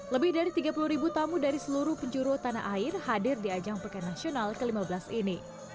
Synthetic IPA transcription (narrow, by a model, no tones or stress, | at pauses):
ləbɪhdaɾit̪iɡapuluhɾibut̪amudaɾisəluɾuhpəɲd͡ʒuɾut̪ana̰ʔaɪrhadɪrdiad͡ʒaŋpakajnasionalkəlimabəlasini